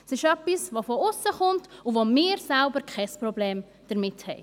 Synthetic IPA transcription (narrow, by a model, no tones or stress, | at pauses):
sɪʃœpːisʋofoʊsːəχʊntuvomɪːɾsɛlbəɾkʰɛɪspɾɔbleːm | d̥əɾmɪthɛɪ